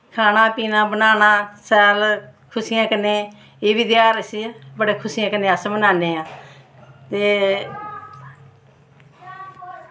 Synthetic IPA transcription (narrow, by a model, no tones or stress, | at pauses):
kʰaːnãːpiːnãːbənaːnãːsɛːlkʰʊsɪjãːkənːẽː | eːʋid̪ɪjaːɾəsiːaːbəɽeːkʰʊsɪːjãːkənːẽːəsbənaːneːãː | t̪eː